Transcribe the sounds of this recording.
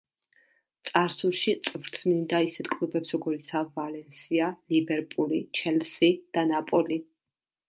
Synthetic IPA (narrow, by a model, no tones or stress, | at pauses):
t̪sʼaɾsulˠʃit̪sʼvɾt̪ʰnind̪aisɛt̪ʰkʼlubɛpsɾɔɡɔɾit̪sʰavalɛnsialibɛɾpʼulit͡ʃʰɛlsid̪̥anapʼɔli